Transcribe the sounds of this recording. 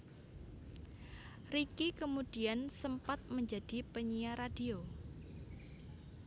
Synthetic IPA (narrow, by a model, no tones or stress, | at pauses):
rikikəmud̥iansəmpat̪̚məɲd͡ʒad̥ipəɲiaɾadio